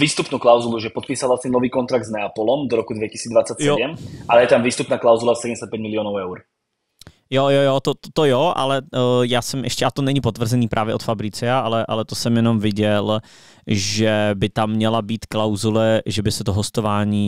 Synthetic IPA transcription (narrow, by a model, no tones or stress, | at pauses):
viːst̪upnuːklawzuluʒɛpɔt̪piːsalat̪ɲɛnɔviːkɔnt̪ɾaɡ̚d̪znɛapɔlɔmd̪ɔɾɔkud̪vɛci̥siːdd͡zd̪vat͡sːacsjɛoɛmʔalɛjɛt̪amviːst̪upnaːklawzulasɛɟɛmɛsac̚pɛɟmilɪɔːnɔʊɛwɾ | jojojot̪ot̪t̪ojoʔa̰lɛjaːsɛmʔɛʃcɛʔat̪onɛɲipot̪vr̩zɛniːpɾʔaːvjɛʔot̪fabɾɪt͡sɛaʔalɛʔa̰lɛt̪osɛmjɛnomvɪɟɛl | ʒɛbɪt̪amːɲɛlabiːt̪klawzulɛʒɛbɪsɛt̪oɦost̪ovaːɲiː